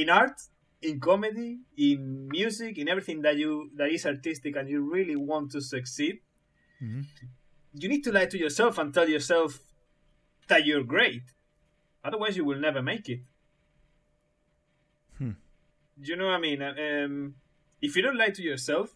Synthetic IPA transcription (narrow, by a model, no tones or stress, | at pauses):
ɪ̃naɹt̪ | ɪ̃nkɔmɛdiɪ̃nmjʉzɪkɨ̃nɛvɹiθɪ̃ŋðatjuðaɾɪsaɹt̪ɪst̪ɪkãnjuɹiliwɔ̃nt̪ːusɨksid̚ | jɨnid̚t̪ulajt̪ujɔ˞sɛlˠfãnt̪ɛlˠjɔɹsɛlf | ðatjɔɹɡɹeɪt̪ | ʌðə˞wajs̬juwɪlˠnɛvə˞meɪkɪt̪̚ | jɨnoʊajmĩnaɛm | ɪfjɨdõntlajtujɔɹsɛlf